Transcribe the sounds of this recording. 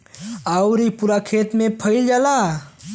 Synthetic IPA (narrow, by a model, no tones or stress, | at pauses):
aʊɾipuɾakʰeːt̪mẽpʰəɪld͡ʒaːla